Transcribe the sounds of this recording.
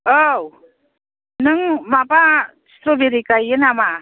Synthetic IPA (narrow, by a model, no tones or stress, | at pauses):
ow | nɯŋmapḁ | t̪ɾobeɾikajenama